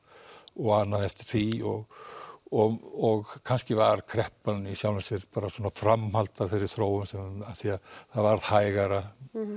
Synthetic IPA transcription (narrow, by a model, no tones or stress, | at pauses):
ɔɣanːaθɛst̪ɪ̥θʰiɔɣ | ɔɔɣkʰanscɪvaɾ̥kʰɾɛhpanisjawlɪnsɪɾpaːɾasɔnafɾamhalt̪afɪɾɪɾ̥θɾoːwʏmsɛmaðsiaθaðvaɾhajɣaɾa